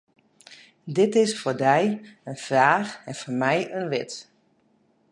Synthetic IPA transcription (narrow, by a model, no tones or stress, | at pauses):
dɪtɪsfordɛjənfraːxɛnformɛjənʋɪt